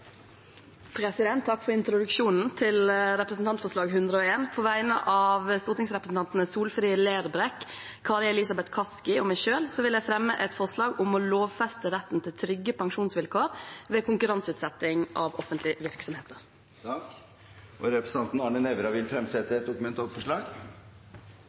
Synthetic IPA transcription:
pʰɾɛsɪd̪ɛnt̪ʰːɑkːfɔɾɪnt̪ɾʊd̪ʉkʂuːnn̩t̪ʰɪlɾɛpɾəsn̩t̪ʰɑnt̪fɔʂlɑːɡɦʉnd̪ɾəoːeːnpʰoːʋæɪnə̰ʔɑʋst̪uːʈ̪ɪŋsɾɛpɾəsn̩t̪ɑnt̪n̩əsuːlfɾiːəleːɾbɾɛk | kʰɑɾɛlɪsɑbɛt̪kʰɑskɪɔmæɪʃøːlsɔʋɪlæɪfɾɛmːəʔɛt̪fɔʂlɑːɡʊmɔloːʋfɛst̪əɾɛt̪ːn̩t̪ʰɪlt̪ʰɾʏɡːəpʰɑŋʃuːnsʋɪlkʰoːɾʋeːkʰʊŋkʉɾɑnsʉːt̪sɛt̪ːɪŋʔɑʋɔfənt̪lɪʋɪɾksɔmheːt̪əɾ | ʔɔɾɛpɾəsn̩ɑnt̪nɑɳənɛʋɾɑʋɪlfɾɛmsɛt̪ːəɛt̪̚d̪ʊkʉmɛnt̪ʰɑːlfɔʂɭɑːɡ

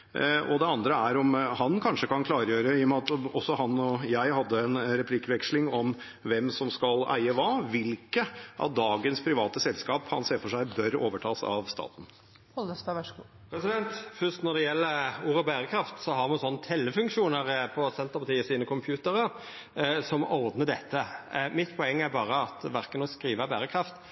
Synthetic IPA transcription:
ʔɔ̰d̪ɛɑnd̪ɾəæɾɔmhɑnkʰɑnʂəkɑnkʰlɑːɾəjøːɾəɪɔmɑt̪ɔsːɔhɑnːɔjæɪhɑd̪ːəɛnɾɛpʰlɪkʋɛkʂlɪŋɔm | ʋɛmsɔmskɑlæ̰ɪəʋɑʋɪlkəʔɑ̰t̪̚d̪ɑːɡənspʰɾɪʋɑːt̪əsɛlskɑːphɑ̰nseːɾfɔʂæɪbœɾo̰ːʋəʈʰɑːsɑ̰ʋst̪ɑ̰ːt̪n̩ | ɔləst̪ɑʋɛʂu | pʰɾɛsɪd̪ɛnt̪fʏst̪nɔd̪ɛjɛlːəɾuːɾəbæːɾəkʰɾɑft̪sɔɦɑɾmɑnsɔnːət̪ʰɛlːəfʉŋkʃuːnəɾpʰɔsɛnt̪əɾpɑt̪iːəsiːnəkʰʊmpʰjʉːt̪əɾəɾ | sɔmɔɾd̪nəd̪ɛt̪ʰːəmɪt̪ːpʰɔɛŋːæɾbɑːɾəɑt̪ʋæɾkənɔskɾiːʋəbæːɾəkʰɾɑft̪

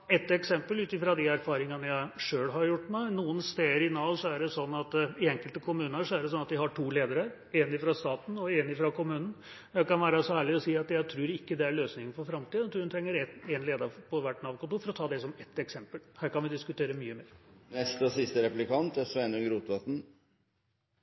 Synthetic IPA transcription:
ɛt̪ːɛksɛmpəlʉːt̪ɪfɾɑd̪ɪæɾfɑːɾɪŋɑnəjæɪʂøːlɦɑɾjʊʈːmæɪnuːənst̪eːəɾɪnɑːlsɔæɖɛsɔnːɑt̪ɪɛŋkəlt̪əkʰʊmʉːnnəʂɔæɖɛsɔnːɑt̪d̪ɪɦɑʈʰuːleːd̪əɾə | enɪfɾɑst̪ɑːt̪n̩ɔenɪfɾɑkʊmʉːnən̩ | jæɪkɑnʋæːɾəsɔæːɭɪɔsiːɑt̪jæɪt̪ʰɾʉːɾɪkːəd̪ɛæɭøːsnɪŋənfɔɾfɾɑmt̪ʰiːd̪t̪ʰuːhnt̪ʰɾɛŋːəɾɛt̪enleːd̪ɑpʰɔʋæʈːnɑːʋkʊnt̪uːfɔɾɔt̪ʰɑːd̪ɛsɔmɛt̪ːɛksɛmpəlhæːɾkɑnʋɪd̪ɪskʉt̪ʰeːɾəmyːəmeːɾnɛst̪əɔsɪst̪əɾɛplɪkɑnt̪æsʋɛnɔɡɾuːt̪ʋɑt̪n̩

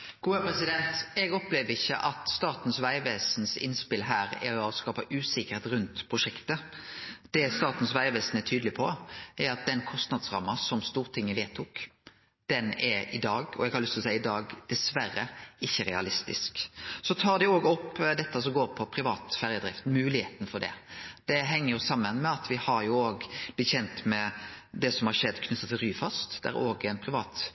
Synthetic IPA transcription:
ɡ̥uːəpɾɛsɪd̪ɛnt̪ɛɡɔplɛːʋəɪçːəʔɑt̪st̪ɑːt̪n̩sʋæɪʋeːsnsɪ̰nspɪlɦæːɾæ̰ɾɔskɑːpɑʔʉːsɪkəʁet̪ɾʉnt̪pʰʁʊʂɛkt̪ə | d̪̥ɛst̪ɑːt̪n̩sʋæɪʋeːsn̩ɛt̪ʰyːd̪lɪpʰɔæɾɑt̪̚d̪ɛnkʰɔst̪nɑd̪sʁɑ̰mːɑsɔmst̪uːʁt̪ʰɪŋːəʋeːt̪ʰuːk | d̪̥ɛnɛɾɪd̪ɑːɡɔ̰ɛɡhɑɾlʏst̪ʰlsæɪəɪd̪ɑːɡd̪̥ɛsʋæɾəɪçːəɾɛɑlɪst̪ɪ̰sksɔt̪ʰɑːɾd̪ɛoːɡɔpːd̪ɛt̪ːəsɔmɡoːɾpʰɔpʰɾɪʋɑːt̪fæɾjəd̪ɾɪft̪n̩mʉːlɪheːt̪n̩fɔɖ̪ɛ̰d̪̥ɛɦɛŋːəɾjʊsɑmːənmɛɑt̪ʋɪhɑɾjʊoːɡb̥̪ɛçɛnt̪mɛd̪ɛsɔmhɑɾʂɛd̪ːkʰnʏt̪ːət̪ʰːɪlɾyːfɑst̪d̪̥ɛæ̰ɾoːɡɛɪnpʰɾɪʋɑːt̪

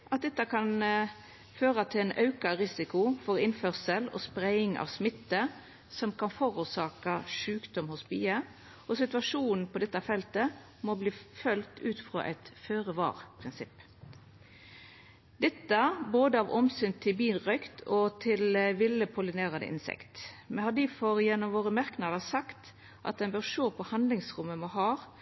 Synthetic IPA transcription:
ʔɑt̪̚d̪ɛt̪ːɑkʰɑn | føːʁɑt̪ʰɪlɛnʔɑʉkɑʁɪsɪkʊfɔʁɪnfœʁsəlɔ̰spʁæɪɪŋɑ̰ːʋsmɪt̪ːə | sɔmkʰɑnfoːʁuːsɑːkɑʂʉːkd̪ɔmhʊsby̰ːə | ʔɔsɪt̪ʉʋɑʂuːnn̩pʰɔd̪ɛt̪ːɑfɛlt̪ə | mɔbliːfœlt̪ʉːt̪fʁo̰ːʔɛ̰ɪt̪føːʁəʋɑ̰ːʁpʰʁɪnsɪpː | d̪ɛt̪ːəboːd̪əɑʋʔɔmsʏnt̪ʰɪbiːnʁœʏkt̪ʰɔt̪ʰɪlʋɪlːəpʰʊlɪneːʁɑd̪ə̰ʔɪ̰nsɛ̰kt̪mɛnhɑd̪iːfɔɾjɛnːɔmʋoːʁəmæʁknɑd̪əsɑkt̪ | ʔɑ̰t̪̚d̪ɛnbœːʁʂoːpʰɔhɑnd̪lɪŋsʁʊmːəmɔɦɑːʁ

